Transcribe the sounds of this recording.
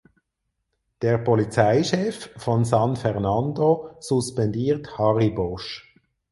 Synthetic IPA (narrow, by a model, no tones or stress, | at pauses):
d̥eːʁpʰɔlit͡saɪʃɛffɔnsɑnfɛʁnɑndosuspɛndiːʁthɑʁibɔʃ